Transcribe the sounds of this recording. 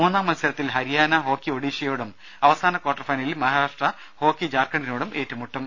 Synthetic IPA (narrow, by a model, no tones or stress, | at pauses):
muːnːaːmːɐnɐsɐɾɐt̪ːilɦɐɾijaːnɐɦo̞ːkːio̞ɽiːɕɐjoːɽum | ɐʋɐsaːnɐkwaːʈːɐrfɐjnɐlilmɐɦaːɾaːʂʈrɐ | ho̞ːkːid͡ʑaːrkːɐɳɖinoːɽume̞ːtːumːuʈːum